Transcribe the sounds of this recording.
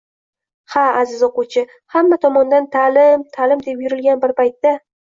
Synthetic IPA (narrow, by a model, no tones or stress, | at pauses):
haazɪzoqʊwt͡ʃʰɪ | hamːat̪ʰɒmɒnd̪ant̪ʰalɪmt̪ʰalɪmd̪e̞pjʊɾɪlɡʲanbɪɾpajt̪ːa